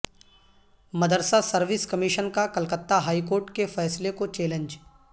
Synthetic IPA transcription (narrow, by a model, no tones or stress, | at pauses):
mɐd̪əɾsasɐɾʋɪskɐmɪʃənkakɐlkət̪ːaɦaːikoːɾʈkefɛːslekot͡ʃɛːlə̃nd͡ʒ